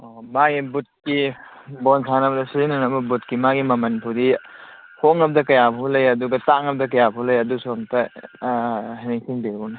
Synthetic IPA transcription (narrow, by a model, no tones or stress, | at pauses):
maɡibut̚ki | bɔnsʰanɐbɐdɐsiɾinɐnɐbɐbutkimaɡimɐmɐnpʰudi | hoŋɐb̚dɐkɐjabʰulɐjɐduɡɐtaŋɐb̚dɐkɐjabʰulɐjɐdusoŋtɐ | hineŋsiŋbeunɐ